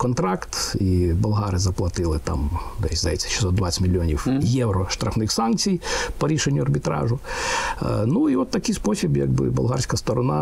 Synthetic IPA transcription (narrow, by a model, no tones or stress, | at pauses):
kɔnt̪ɾɑkt̪ibʊlˠɦɑɾɪzɐplˠɐt̪ɪlˠɪt̪ɑ̰md̪ɛsʲzɐjɛt͡sʲːɐ̥ʃɪ̥sɔt̪d̪ʋat͡sʲsʲtʲmʲilʲːiɔnʲiwjɛwɾɔʃt̪ɾɐfnɪxsɑnkt͡sʲijpɔɾʲiʃenʲːʊɐrbʲiɪt̪ɾɑ̰ʒʊ | nuiʋɔt̪ːɐkɪjspɔsʲibjɐ̰ɡ̚bɪ̰bʊ̰lˠɦɑrʲsʲkɐst̪ɔɾɔnɑ